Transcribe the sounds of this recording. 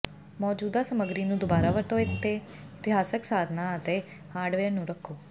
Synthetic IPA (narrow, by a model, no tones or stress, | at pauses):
mɔːd͡ʒuːd̪aːsəməɡɾiːnũːd̪ʊbaːɾaːʋəɾt̪oːɪt̪ʰːeː | ɪt̪ɪɦaːsəksaːd̪ʱnaːət̪eː | haːɾɖʋeːɾnũːɾəkʰːoː